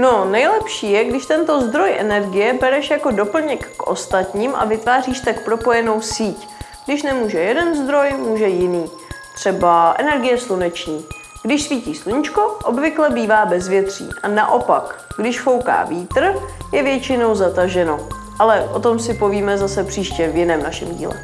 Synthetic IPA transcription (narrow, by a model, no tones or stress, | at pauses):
no̞nɛjlɛpʃiːjɛɡdɪʃt̪ɛnt̪o̞zd̪ɾo̞jʔɛ̰nɛɾɡɪjɛbɛɾɛʃjako̞do̞pl̩ɲɛkːʔo̞̰st̪at̪ɲiːmʔa̰vɪt̪vaːriːʃt̪akpɾo̞po̞jɛno̞wsiːc | ɡ̥dɪʃnɛmuːʒɛjɛdɛnzd̪ɾo̞jmuːʒɛjɪniː | t̪r̝̥ɛbaʔɛnɛɾɡɪjɛslunɛt͡ʃɲiː | ɡ̥dɪʃsviːciːʃsluɲɪt͡ʃko̞ʔobvɪklɛbiːvaːbɛzvjɛt̪r̝̥ḭːʔa̰na̰ʔo̞pak | ɡdɪʃfo̞wka̰ːviːt̪r̩jɛvjɛt͡ʃɪno̞wzat̪aʒɛno̞ | ʔalɛʔo̞t̪o̞msɪpo̞viːmɛzasɛpr̥iːʃcɛvjɪnɛːmnaʃɛ̰mɟḭːlɛ̰